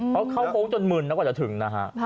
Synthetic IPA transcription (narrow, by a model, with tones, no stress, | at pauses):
pʰɔ˦˥wkʰa˥˩wfo˦˥ŋt͡ɕo˧nmɯː˧˩nːɛ˦˥˩kɔː˥˩t͡ɕt̪ʰɯ˩˦ŋna˦˥kʰa̰˦˥ʔ